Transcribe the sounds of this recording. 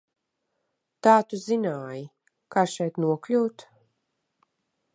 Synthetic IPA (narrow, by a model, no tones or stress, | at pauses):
t̪aːt̪uzinaːji | kaːʃɛjt̪nuɔklʲuːt̪